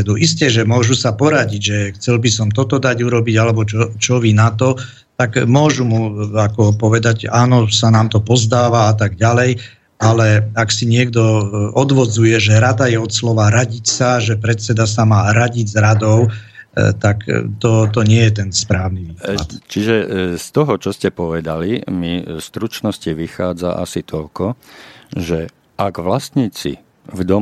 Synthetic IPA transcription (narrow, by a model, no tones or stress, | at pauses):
d̪uiscɛʒɛmʊɔʒusapɔɾaɟiɟʒɛxt͡sɛlbisɔmt̪ɔt̪ɔd̪aɟuɾɔbiɟalɛbɔt͡ʃɔt͡ʃɔʋinat̪ɔ | t̪akmʊɔʒumuakɔpɔʋɛd̪aɟaːnɔsanaːmt̪ɔpɔzd̪aːʋaat̪aɡɟalɛj | alɛaksiɲɪɛɡd̪ɔɔd̪ʋɔd͡zujɛʒɛɾad̪ajɛɔt̪slɔʋaɾaɟicsaʒɛpɾɛt̪t͡sɛd̪asamaːɾaɟiɟzɾad̪ɔʊt̪akt̪ɔt̪̬ɔɲɪɛjɛt̪̬ɛnspɾaːʊniʋiːkat͡ʃiʒɛst̪ɔɦɔt͡ʃɔscɛpɔʋɛd̪alimist̪ɾut͡ʃnɔsciʋixaːd͡za̰ʔa̰sit̪ʰɔlkɔ | ʒɛ | ʔaɡʋlast̪ɲiːt͡sḭ | vd̪ɔ